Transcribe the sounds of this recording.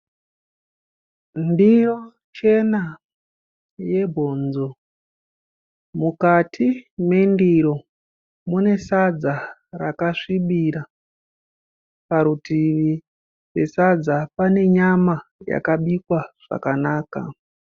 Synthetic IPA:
ndiro | t͡ʃe̞na | je̞bʱo̞nzo̞ | mukatʰime̞ndiɾo̞ | mune̞sad͡zarakaʂiɓiɾa | paɾutiʋi | pe̞sad͡zapane̞ɲamaja̰kaɓikwaʐ̥a̰kanaːka̰

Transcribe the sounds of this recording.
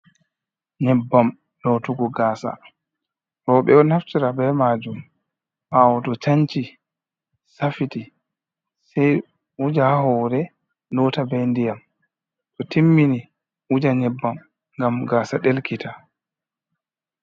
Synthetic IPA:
ɲɛbːam | lɔtuɡɔɡaːsa̰ | ɾɔɓɛɔnaft͡ʃiɾabɛmad͡ʒum | ʔawɔtɔt͡ʃaɲt͡ʃi | safiti | sɛj | ud͡ʒahɔːɾɛ | lɔtabɛndijam | tɔtʰimːini | ud͡ʒaɲɛbːam | ŋɡamɡaːsaɗelkitʰa

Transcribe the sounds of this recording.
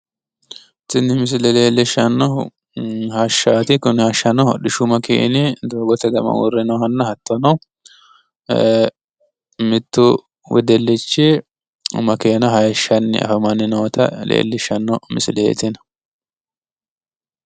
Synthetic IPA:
t̪ːɪnːɪmɪs̬ɪlɛleːlːɪʃɐnːɔ | hɐʃːaːt̪ɪkʊnɪhɐʃːɐnɔhɔ̰ɗɪʃʊmɐkʰḛːnɪd̪oːɡɔt̪ɛd̪ɐmɐ̰wṵrːɪnɔhɐnːɐhɐt̪ːɐnɐw | mɪt̪ːʊ | wɛ̰d̪ɛlːɪt͡ʃːɪ̰ | mɐkeːnɐɦɐjɛʃːɐnːɪ̰ʔɐ̰fɐmɐnɪnoːt̪ʰɐlḛːlːɪʃɐnːɔmɪ̰sɪlḛt̪ɪnɐ

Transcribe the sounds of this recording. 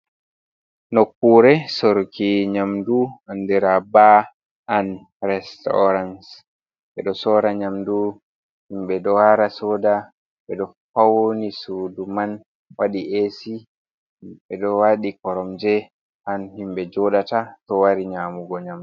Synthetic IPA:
nokːuːɾɛsoɾkʰiɲamduandiɾaba | an | ɾɛstɔ̰ɾans | ɓɛ̰ɗɔsɔːɾaɲamdu | himɓɛɗɔhaɾasɔːda | ɓɛɗɔ | fawonisuduman | waɗiʔesi | ɓɛɗɔwaɗikɔɾɔmd͡ʒɛ | ʔanhimbɛd͡ʒɔɗatatɔwaɾiɲamuɡɔɲamdu

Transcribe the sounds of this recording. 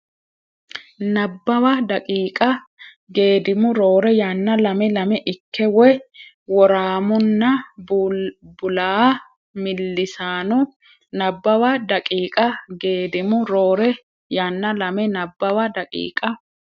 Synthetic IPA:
nɐbːɐwɐd̪ɐkʼiːkʼɐ | ɡe̞ːd̪ɪmʊɾo̞ːɾɛjaːnːɐlɐmɛlɐmɛʔɪkːɛwɛ | wɔɾaːmʊnːɐ | bʊlaː | mɪlːɪsaːnɔ | nɐbːɐwɐd̪ɐkʼiːkʼɐɡe̞ːd̪ɪmʊɾo̞ːɾɛ | jaːnːɐlɐmɛnɐbːɐwɐd̪ɐkʼḭːkʼɐ

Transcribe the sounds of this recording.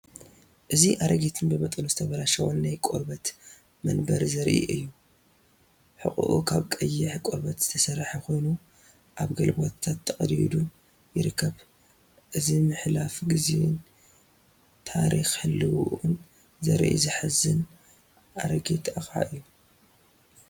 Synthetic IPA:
ʔɨziʔaɾɐɡet̪ʰɨnbɨbɐt̪ʼɨnuzɨt̪ʰɐβɐlaʃɐwonːajkʼo̰ɾbɐt̪ | mɐnbɐɾzɐɾʔḭʔɨ̰jːu | ħɨ̰kʼṵʔukʰaβkʼɐjːɪħkʷʼoɾbɐt̪z̥ɨt̪ʰɐsɐrħako̞jnu | ʔaβɡɐlbot̪t̪ʰːat̪ʰːɐqʼɐd̪id̪u | jɪɾɨkʰːɐβ | ʔɨzimɨħlafɡizḛn | t̪ʰaɾixhɨlːɨwuʔɨn | zɐ̰ɾʔḭzɨħɨzːɨn | ʔaɾɐɡet̪ʰaxa̰ʔɨjːu

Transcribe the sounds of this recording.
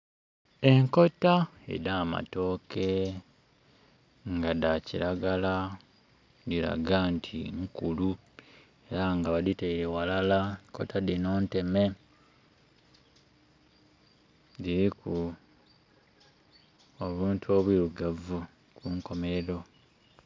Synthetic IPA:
e̞ŋko̞taḛdaːma̰to̞ke | ŋɡadaciɾaɡala | diɾa̰ɡantʰḭŋkulu | e̞ɾaŋɡaβaditeiɾewalalaŋko̞̰tʰadino̞ːnte̞me̞ | diɾiku | oβuːntʰuoβwiɾuɡavu | kuŋko̞meeɾo̞

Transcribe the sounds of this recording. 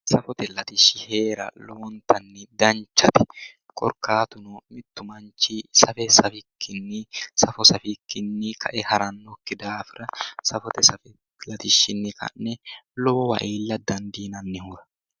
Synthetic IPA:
sɐfɔt̪ɛlɐt̪ɪʃɪheːɾɐ̰lɔɔnt̪ɐnːɪd̪ɐnt͡ʃːɐt̪ɛ̥ | kʼɔ̰ɾkaːt̪ʊnʊmɪt̪ːʊmɐnt͡ʃisɐfɛsɐfɪkʰːɪnːɪsɐfɔsɐfɪkːɪnːɪkʰɐʔɛhɐɾɐnːɔkːɪd̪aːfɪɾɐsɐfɔt̪ɛsɐfɪ | lɐt̪ɪʃɪnːɪkɐ̰nːɛlɔːɔwɐ̰ʔeːlːɐd̪ɐnd̪iːnɐnːɪhʊɾɐ̥

